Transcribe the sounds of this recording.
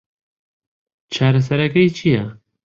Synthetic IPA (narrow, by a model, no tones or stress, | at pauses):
t͡ʃʰaɾas̬aɾakajt͡ʃija